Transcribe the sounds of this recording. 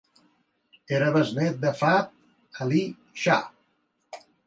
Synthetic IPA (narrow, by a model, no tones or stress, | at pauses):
eɾəβəznet̪̚d̪əfat̪̚ | ali | ʃa